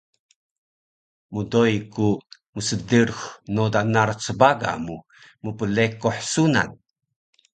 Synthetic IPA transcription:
mudojku | məsədərxnodanart͡səbaɡa̰mu | mupəlekːoħsuna̰n

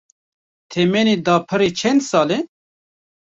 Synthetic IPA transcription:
t̪ʰemenid̪ɑːpʰɨɾit͡ʃʰɛnd̪sɑːle

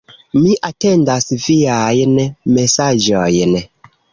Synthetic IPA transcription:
miʔate̞ndasviajnme̞sad͡ʒojn

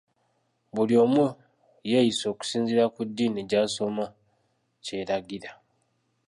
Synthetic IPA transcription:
βulio̞ːmu | jejiso̞ːku̥siːnziɾakudːiːneɟaːso̞ma | ce̞ɾaɡiɾa

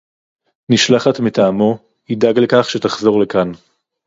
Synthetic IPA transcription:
niʃlaχatmitaːmo̞ | idaɡlekaχʃe̞taχzo̞ʁle̞kan

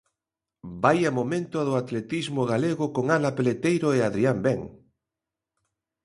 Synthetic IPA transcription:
bajamomẽnt̪ʊaðoat̪let̪izmoɣ̞aleɣokoŋalapelet̪ejɾoeaðɾiambɛŋ

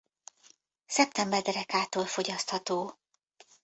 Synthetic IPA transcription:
sɛp̚t̪ɛmbɛrd̪ɛɾɛkaːt̪oːlfo̞ɟɒst̪hɒt̪oː

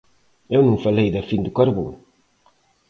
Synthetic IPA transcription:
ewnũŋfɐlejðɐfind̪ukaɾβo̰ŋ

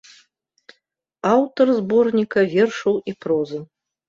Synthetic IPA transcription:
awt̪ɔrzbɔrnʲikɐvʲerʂɨwiprɔzɨ

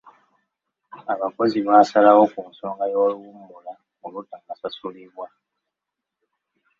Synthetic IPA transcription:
aβako̞ziβaːsalawokuːnsoːŋɡajoluwumːula | olutaŋɡasasuliβwa

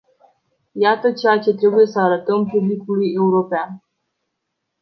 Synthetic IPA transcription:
jat̪ət͡ʃe̞jat͡ʃe̞t̪ɾe̞buje̞səaɾət̪əmpublikuluje̞uɾo̞pean

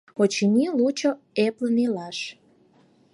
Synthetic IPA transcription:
ot͡ɕinʲilut͡ɕo | eplənilɑʃ

